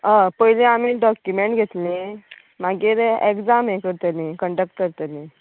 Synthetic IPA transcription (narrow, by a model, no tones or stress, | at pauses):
əpəɦilĩamiːɖɔkjumeɳʈɡʱet̪lĩ | maɡiːɾekd͡zamẽkəɾt̪alĩkəɳɖək̚ʈ̚kəɾt̪alĩ